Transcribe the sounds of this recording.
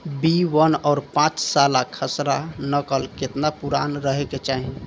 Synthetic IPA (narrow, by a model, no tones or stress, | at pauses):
biwənɔːɾpãt͡ʃsalakʰəsɾanəkəlket̪napuɾanɾəɦeket͡ʃaɦi